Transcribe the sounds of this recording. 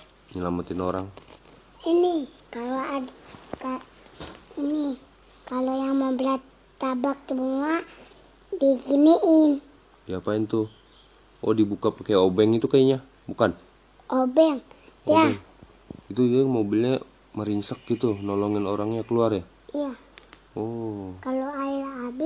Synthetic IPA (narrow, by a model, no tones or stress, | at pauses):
ɲəlamat̪inoɾaŋ | inikaloaka | ini | kalojaŋmɔmblat̪ː | abak̚t̪umua | diɡiniʔin | japaint̪u | ʔo̰dibukapakaobɛŋit̪ukaiɲa | bukan | obɛŋja | it̪ud͡ʒmobilɲa | məɾiɲsak̚ɡit̪unɔlɔŋɪnoɾaŋɲakəluarja | ija | okaloailaːbi